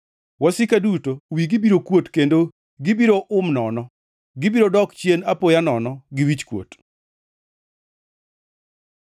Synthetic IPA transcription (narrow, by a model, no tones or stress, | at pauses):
wɔsɪkadutowiɡɪbiɾokwotkendo | ɡɪbiɾoʔʊmnɔnɔ | ɡɪbiɾodɔkt͡ʃjenapojanɔnɔɡɪwit͡ʃkwo̰t